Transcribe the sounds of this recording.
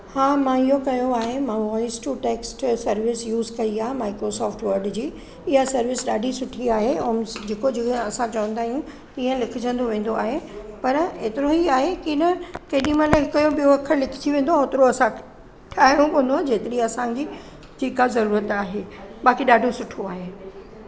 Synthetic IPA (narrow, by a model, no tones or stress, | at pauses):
haːmãɪɦokɐjoaːɦemãʋɔːɪsʈuːʈeːksʈsɐɾʋɪsjuːzkɐiaːɦemaːɪkɾosɔːfʈʋɐɾɖd͡ʑiː | ɪɦasɐɾʋɪsɗaːɖʱisʊʈʰiaːɦeʊmd͡ʑeːkod͡ʑeɐsãt͡ɕɐʋə̃nd̪aːɦijũ | iːə̃lɪkʰɪd͡ʑə̃n̆d̪oʋẽːn̆d̪oaːɦepɐɾeːt̪ɪɾoɦiaːɦekinɐkɐːɗĩmɐ̃laɦɪkɐjõɓijoɐkʰəlɪkʰɪ̥d͡ʑiʋẽːn̆d̪oaoːt̪ɪɾoɐsã | ʈʰaːɦijõkõːn̆d̪od͡ʑeːt̪ɪɾiɐsãɲd͡ʑiː | ʈʰiːkazɐɾuːɾət̪aːɦeːɓaːkiɗaːɖʱosʊʈʰoaːɦeː